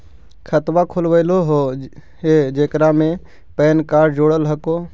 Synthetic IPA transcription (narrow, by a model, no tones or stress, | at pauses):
kʰət̪ʋakʰolʋəɪloɦoɦed͡ʒeːkɾamẽ | pɛːnkaːɾɖd͡ʒoːɽəlɦəkoː